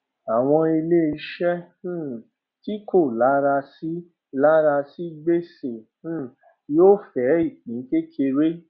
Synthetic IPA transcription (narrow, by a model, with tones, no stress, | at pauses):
a˨w̃ɔ̃˧i˧le˦i˧˦ʃɛ̃˦ | ti˦ko˦˨la˨˦ɾa˧si˦ | la˦ɾa˧si˦ɡ͡be˦sẽ˨˦˨ | joː˦fɛ˨˦i˦˨k͡pĩ˨˦ke˦kʰe˧ɾe˦